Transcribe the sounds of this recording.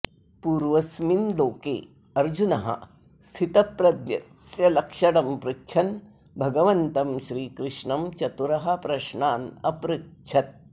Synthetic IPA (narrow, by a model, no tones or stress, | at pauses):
puːɾʋɐsminloːkḛː | ɐɾd͡ʒunɐɦɐ̰ | st̪ʰit̪ɐpɾɐd̪jɐsjɐlɐkʂɐɽɐmpɾɐtːt͡ʃʰɐn | bʱɐɡɐʋɐnt̪ɐmʃɾiːkɾɪʂɳɐmt͡ʃɐt̪uɾɐɦɐ̆pɾɐʃɳaːnɐpɾɐtt͡ʃʰɐt̪̚